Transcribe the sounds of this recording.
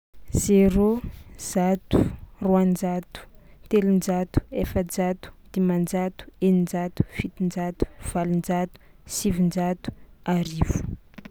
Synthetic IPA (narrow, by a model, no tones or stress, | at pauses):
z̥eɾoz̥at̪u̥ruand͡ʒat̪u̥t̪elind͡ʒat̪u̥efəd͡ʒat̪u̥d̪̥imand͡ʒat̪u̥enind͡ʒat̪u̥fit̪ind͡ʒat̪u̥v̥alind͡ʒat̪u̥ | sivind͡ʒat̪u̥aɾivu̥